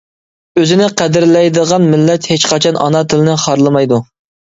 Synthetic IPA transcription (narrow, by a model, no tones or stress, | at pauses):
øzɪnɪqʰæd̪ɪɾlɛjd̪əʁɑnmɪlːɛt̪het͡ʃqʰɑt͡ʃʰɑnʔɑ̰nɑt̪ʰɪlˠɪnɪχɑɾlˠɨmɑjd̪u